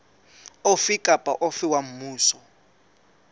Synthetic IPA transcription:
ofikʼapʼaʔofiwam̩muːsɔ

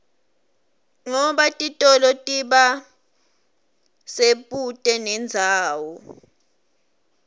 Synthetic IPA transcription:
ŋɔɓatʼitʼɔlɔtʼiɓa | seɓʼutʼɛnɛnd͡zʱaːwɔ

